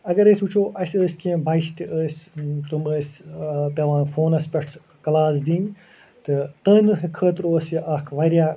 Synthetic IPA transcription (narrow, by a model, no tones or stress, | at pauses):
ɐɡɐɾəːsʲut͡ʃʰoːʔɐsʲəːsʲkẽbɐjʃt̪iʔəːsʲt̪uməːsʲpɐʋãːfoːnɐsʲpʲɐʈʰs | kɐlaːsd̪ĩːn | t̪ɨt̪əːnɨɦɨkʰəːt̪ɾoːsjiʔɐkʰʋɐɾʲjaː